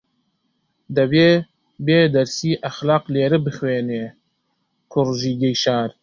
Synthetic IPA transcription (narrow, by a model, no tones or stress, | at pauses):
d̪ɐbeː | beːd̪ɐɾsiːʔaxlɑːqleːɾɨbɨxweːneː | kʰʊɾʒiːɡejʃɑːɾ